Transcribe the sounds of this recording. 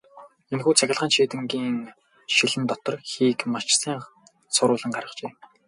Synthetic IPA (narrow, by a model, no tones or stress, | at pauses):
enxuːt͡sʰæxʲɪ̆ɮʁaːnʃiːt̪ɘ̆ŋɡiːŋ | ʃiɮɘ̆nt̪ɔt̪ɞ̆rxiːkmat͡ɕsæːŋ | sʊɾʊːɮə̆ŋɢaɾə̆χt͡ɕeːm